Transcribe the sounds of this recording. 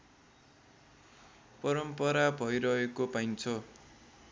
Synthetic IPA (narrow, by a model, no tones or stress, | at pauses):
pʌɾʌmpʌɾabʱʌjɾʌɦekopajnt͡sʰʌ